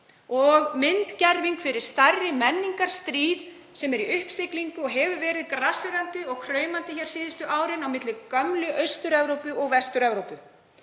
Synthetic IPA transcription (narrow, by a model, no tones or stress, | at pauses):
ɔɣmɪnt̪cɛɾviŋkfɪɾɪɾ̥st̪arɪmɛnːiŋkaɾ̥st̪ɾiːð | sɛmɛɾiʏhpsɪkliŋkʏɔɦɛvʏvɛːɾɪðkɾasɪɾant̪ɪɔɣkʰɾœːɥmant̪ɪçɛɾ̥siːðɪst̪ʏʔaːwɾɪnawmɪt̪lɪkœmlʏʔœɥst̪ʏɾɛvɾowpʏʔɔɣvɛst̪ʏɾɛvɾowpʏ